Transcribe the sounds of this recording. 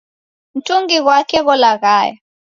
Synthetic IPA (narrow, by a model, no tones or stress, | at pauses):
n̩tʼuŋɡiɣwakʰɛɣɔlaɣaːjɔ